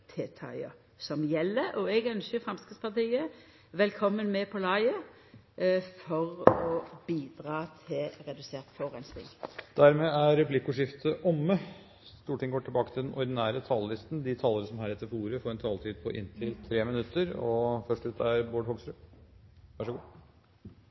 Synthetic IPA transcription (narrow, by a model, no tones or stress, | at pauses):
t̪ʰeːt̪ʰɑ̰ɪə̰ | sɔmjɛlːəʔɔɛɡœnɕəfɾɑmskəspɑʁt̪iːə | ʋɛlkʰɔmːənmɛpʰɔlɑɪə | fɔʁɔb̥iːd̪ɾɑːt̪ʰɪlʁɛd̪ʉseːʁt̪fɔʁɛnst̪ɪ̰ŋd̪̥æɾmɛːæɾɛplɪkːʊʂɪft̪ʰəʔɔmːə | st̪uːʈʰɪŋɡoːʈʰɪlbɑːkə̥t̪ʰɪld̪ɛnʔɔɾd̪ɪnæːɾət̪ʰɑːllɪst̪n̩d̪ɪt̪ʰɑːləɾəsɔmɦæːɾɛt̪ːəɾfuːɾəfɔːɾɛnt̪ʰɑːlt̪ʰiːd̪̚pʰɔʔɪ̰nt̪ʰɪlt̪ʰɾeːmɪnʉt̪ːəɾɔfœʂʈʉːt̪ʰæɾboːɖhɔɡsɾʉ | ʋɑʂəɡuː